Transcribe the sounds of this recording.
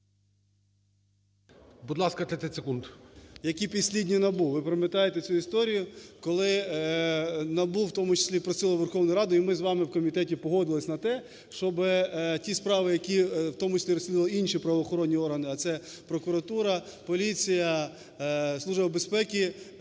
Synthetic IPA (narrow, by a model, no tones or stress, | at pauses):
bud̪lˠɑskɐt̪ʲɛt̪ɛt̪ʲsekund̪jɐkʲipʲisʲlʲidʲnʲinɐbuʋɪpɾɪmet̪ɑjet̪et͡sʲuist̪ɔɾʲijʊkɔlˠɪ | nɐbuwwt̪ɔmʊt͡ʃɪ̥sʲlʲipɾɔsʲilˠɐʋerxɔwnɔjɾɑd̪ʊimɪzʋɑmɪwkɔmʲit̪ɛtʲipɔɦɔd̪ɪlˠɪsʲnɐt̪ɛ | ʃt͡ʃɔbɪtʲispɾɑʋɪjɐkʲiwt̪ɔmʊt͡ʃe̥sʲlʲiɾɔsʲlʲid̪ʋɐlˠɪinʲʃipɾɐʋɔxɔɾɔnʲːiɔrɦɐnɪɐt̪sɛ | pɾɔkʊɾɐt̪uɾɐpɔlʲit͡sʲijɐ | slˠuʒbɐbespɛkʲi